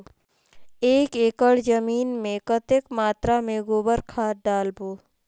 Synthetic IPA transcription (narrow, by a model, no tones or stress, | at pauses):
eːkeːkəɽd͡ʒəmiːnmẽkət̪ekmaːt̪ɾamẽɡobəɾkʰaːɖaːlboː